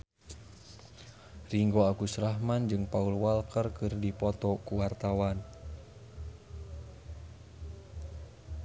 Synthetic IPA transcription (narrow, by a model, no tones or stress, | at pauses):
riŋɡoakusɾaɦmand͡ʒɨŋpaulwalkərkɨrdipɔt̪ɔkuwart̪awan